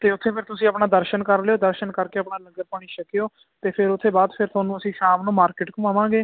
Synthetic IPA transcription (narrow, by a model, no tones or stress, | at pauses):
t̪eːʊt̪ʰːeːpʰɪɾt̪ʊsĩːəpɳaːd̪əɾʃənkəɾleoːd̪əɾʃənkəɾkeːəpɳaːləɡəɾpəɳ̃iːʃəkɪjoː | t̪eːpʰɪɾʊt̪ʰːeːbaːd̪pʰɪɾt̪ʰoːnũːəsĩːʃaːmnũːmaːɾkɪʈkũːaːʋãːɡeː